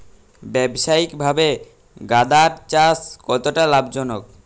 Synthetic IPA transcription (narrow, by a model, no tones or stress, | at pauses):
bɛbʃaikbʱabe | ɡad̪aɾt͡ɕaskɔt̪oʈalabd͡ʑɔnok̚